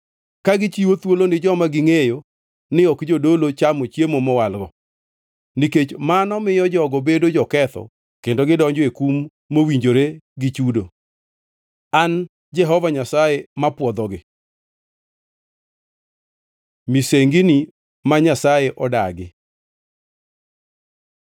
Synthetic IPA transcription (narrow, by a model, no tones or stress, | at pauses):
kaɡɪt͡ʃiwot̪wolonɪd͡ʒɔmaɡɪŋejo | nɪɔkd͡ʒodolot͡ʃamot͡ʃjemomɔwalɡɔ | niket͡ʃmanɔmɪjɔd͡ʒɔɡɔbedod͡ʒɔkɛt̪ɔ̰ | kendoɡɪdɔɲd͡ʒekumː | owiɲd͡ʒoɾeɡɪt͡ʃudo | an | d͡ʒɛɦɔvaɲasajemapwɔd̪ɔɡɪ | miseŋɡini | maɲasajeʔɔda̰ɡɪ